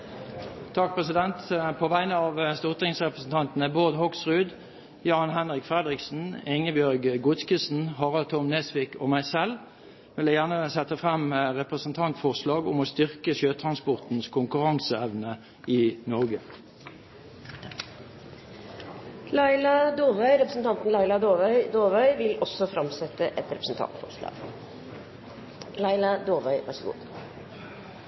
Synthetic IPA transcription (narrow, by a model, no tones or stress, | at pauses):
t̪ʰɑk̚pʰʁɛsɪd̪ɛnt̪pʰoːʋæɪnəɑːʋst̪uːʁt̪ɪŋsʁɛpʁəsn̩t̪ʰɑnt̪n̩əboːd̪hɔksʁʉːd̪ | jɑːnɦɛnʁɪkfʁɛd̪ʁɪksn̩ɪŋəbjœʁɡɡʊt̪skəsn̩hɑʁɑlt̪ʰɔmneːsʋiːko̰ːmæɪsɛl | ʋɪlæjæʁnəsɛt̪ːəfʁɛmʁɛpʁəsən̩t̪ʰɑnt̪fɔʁslɑːɡʊmoːst̪ʏʁkəʃøːt̪ʰʁɑnspɔʁt̪n̩skʰʊŋkʉʁɑŋsəɛʋnə | iːnɔʁɡə | lɑɪlɑd̪oːʋœʏɾɛpɾəsn̩t̪ɑnt̪n̩lɑɪlɑd̪oːʋœʏd̪oːʋœʏʋɪlɔsːɔfɾɑmsɛt̪ːəʔɛt̪ɾɛpɾəsn̩t̪ʰɑ̰nt̪fɔ̰ɾʂlɑ̰ːɡ̥ | lɑɪlɑd̪oːʋœʏʋæ̰ʂəɡṵːd̪